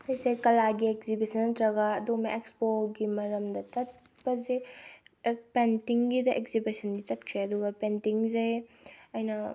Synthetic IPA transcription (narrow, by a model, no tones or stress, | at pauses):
ejsekɐlaɡiekzibisɐnːɐtɾɐɡɐːdumɐekspoɡimɐɾɐmdɐt͡ʃɐt̚bɐze | pentiŋɡidɐʔekzibisɐndit͡ʃɐt̚kʰɾeɐduɡɐpentiŋzej | ɐjnɐ